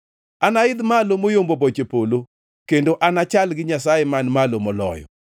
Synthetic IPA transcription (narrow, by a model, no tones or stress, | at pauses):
anaɪd̪malomojombobot͡ʃepolo | kendoʔanat͡ʃalɡɪɲasajemanmalomɔlɔ̰jɔ̰